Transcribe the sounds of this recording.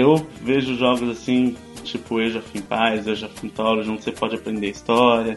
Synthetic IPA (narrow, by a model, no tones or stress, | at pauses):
ewveʒʊʒɔɡʊzasĩ | t͡ʃipʊewʒafij̃pajzewʒafĩt̪ɔlʊʒɐ̃sepɔd͡ʒɪapɾẽnd̪eist̪ɔɾiɐ